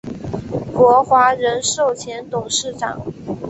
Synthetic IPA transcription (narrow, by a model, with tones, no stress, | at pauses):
kwɔ˧˥xwa˧˥ɻə˧˥nʂo˥˩ʊt͡ɕʰjɛ˧˥nt̪ʊ˨˩ŋʂɻ̩˥˩ʈ͡ʂɑ̰˨˩˦ŋ